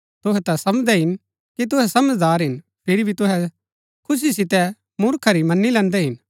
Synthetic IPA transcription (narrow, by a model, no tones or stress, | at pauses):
t̪ʊɦɛt̪asɐmd͡ʒd̪ɛɦɪn | kit̪̬ʊɦɛsɐməd͡ʒd̪aːɾɦɪn | pʰɪɾibʱit̪ʊɦɛ | kʰʊs̬isɪt̪ɛ | mʊɾkʰaɾimɐnːilɛ̃ːnd̪ɛɦɪn